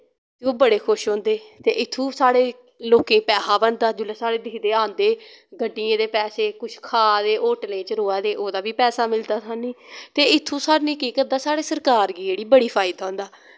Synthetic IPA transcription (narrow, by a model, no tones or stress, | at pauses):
t̪eːoːbəɽeːkʰʊʃɦõːnd̪eːt̪eːʔɪt̪ʰːũːsaːɽeː | loːkẽːpɛːsaːbənd̪aːd͡ʒʊleːsaːɽeːd̪ɪːd̪eːãːnd̪eːɡəɖːiːẽːd̪eːpɛːseːkʊt͡ʃʰkʰaːd̪eːʔoːʈlẽːt͡ʃəɾoːaːd̪eːʔoːd̪aːbiːpɛːsaːmɪld̪aːt̪ʰaːnĩːt̪eːɪt̪ʰːũːsaːnĩːkiːkəɾd̪aːsaːɽeːsəɾkaːɾɡiːd͡ʒeːɽiːbəɽiːpʰaːɪd̪aõːnd̪aː